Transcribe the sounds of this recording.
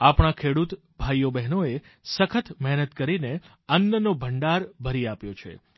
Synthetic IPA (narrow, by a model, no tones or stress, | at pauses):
apɳ̃akʰeɽut̪ | bʱajːobɛɦnoe | səkʰət̪mɛɦnət̪kəɾine | ənjənobʱəɳɖaɾbʱəɾiapjot͡ʃʰḛ